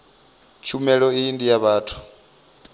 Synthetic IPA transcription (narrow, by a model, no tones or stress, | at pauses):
t͡ʃʰumɛɺɔiːndijaβaːtʰu̥